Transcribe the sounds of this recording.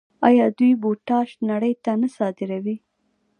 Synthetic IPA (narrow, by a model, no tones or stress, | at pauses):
ɑjɑd̪ujboʈɑʃnaɽəjt̪anəsɑd̪ɪɾawi